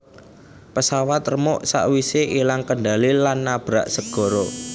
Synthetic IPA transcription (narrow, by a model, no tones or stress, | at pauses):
pəsawat̪rəmʊʔsa̰ʔwiseʔilaŋkəɳɖalilanːab̥ɾaʔsəɡ̥ɔ̤ɾo